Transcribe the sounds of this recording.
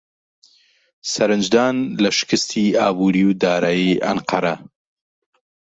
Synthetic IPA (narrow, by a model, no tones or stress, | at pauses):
sɐɾɨnd͡ʒd̪ɑːnlaʃɪ̥kɨst̪ʰiɑːbuːɾiwd̪ɑːɾaːjiʔɐ̰nqɐɾɐ